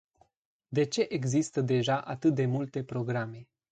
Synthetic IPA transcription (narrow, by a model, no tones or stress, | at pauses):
d̪e̞t͡ʃe̞ʔeɡzist̪əd̪e̞ʒaʔat̪ɨt̪̚d̪e̞mult̪e̞pɾo̞ɡɾame̞